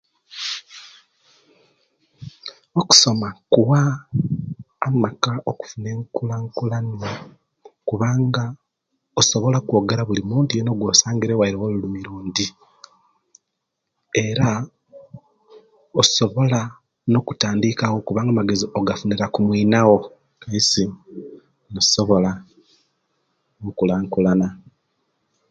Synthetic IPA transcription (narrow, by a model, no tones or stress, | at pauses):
oku̥so̞makuwa | makaoku̥fune̞ːŋkulaŋkulani | kuβaːŋɡa | oso̞βo̞lakwo̞ːɡeɾaβulimuːntujeno̞ɡwo̞ːsaːŋɡiɾewaiɾewolulumiɾuːndi | e̞ɾa | oso̞βo̞la | no̞ku̥taːndikawo̞kuβaːŋɡamaɡe̞zio̞ɡafuneɾakumwiːnaɣo̞ | kajisi | noso̞βo̞la | ŋkulaŋkulana